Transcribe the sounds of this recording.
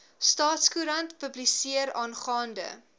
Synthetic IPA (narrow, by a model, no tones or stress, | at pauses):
stɑːtskuɾɐntpəblisiəɾɑːnχɑːndə̰